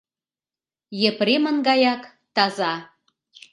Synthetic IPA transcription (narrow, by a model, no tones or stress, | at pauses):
jepɾemə̆nɡɑjɑk | t̪ɑzɑ